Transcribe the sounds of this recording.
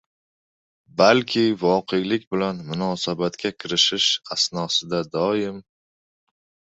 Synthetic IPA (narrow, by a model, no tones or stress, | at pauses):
balkʲʰɪvɒqʰejlɪkʲbɪlanmʊnɒsabat̪kʲʰakʲʰɪɾɪʃɪʃasnɒsɪd̪ad̪ɒjɪm